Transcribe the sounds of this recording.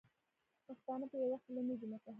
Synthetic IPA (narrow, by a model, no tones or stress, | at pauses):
paxt̪ɑnapəjawaxt̪lamid͡ʒumakaɦ